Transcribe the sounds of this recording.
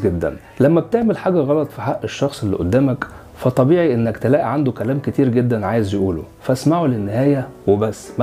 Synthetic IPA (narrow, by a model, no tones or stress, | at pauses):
ɡed̪ːæ̰n | læmːæb̚t̪eʕmelħaːɡæɣɑlɑt̪ˤfiħaʔːeʃːɑxsˤelːḭʔod̪ːæːmæk | fæt̪ˤɑbiːʕiʔenːækt̪elæːʔiʕand̪okælæːmket̪iːɾɡed̪ːænʕaːjezjeʔuːlo̰fæsmaʕulenːehæːjæwebæsːmæ